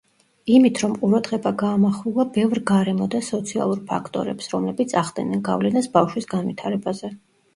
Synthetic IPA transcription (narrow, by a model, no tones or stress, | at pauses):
imit̪ʰɾɔmqʼuɾad̪ʁɛbaɡaːmaχlulˠabɛvɾɡaɾɛmɔd̪asɔt̪sʰia̰lˠuɾpʰa̰kʰt̪ʼɔ̰ɾɛpsɾɔmlɛbit̪sʰaʁd̪ɛ̰nɛnɡa̰vlɛnasbafʃwisɡanvit̪ʰaɾɛbazɛ